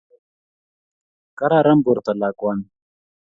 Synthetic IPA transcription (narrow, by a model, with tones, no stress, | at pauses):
ka˦ɾa˦ɾa˦mbu˨ɾt̪a˨la˨kwʷa˦n